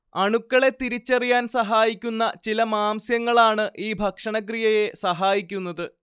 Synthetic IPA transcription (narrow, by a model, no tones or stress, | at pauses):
ɐɳukːɐɭe̞t̪iɾit͡ɕːɐrijaːnsɐɦaːjikʲːunːɐt͡ɕilɐmaːmsjɐŋːɐɭaːɳɨʔiːbʱɐkʂɐɳɐk̬rijɐje̞sɐɦaːjikʲːunːɐðɨ